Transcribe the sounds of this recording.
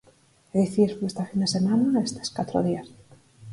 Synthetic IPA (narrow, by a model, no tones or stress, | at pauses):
eðiθiɾfest̪afind̪esemanaest̪e̥skat̪ɾo̰ðias